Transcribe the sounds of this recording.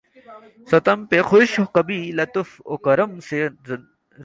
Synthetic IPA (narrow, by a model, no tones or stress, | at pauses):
sɐt̪ɐmpexoɕoqɐbilɐt̪ufo̰kɐɾɐmse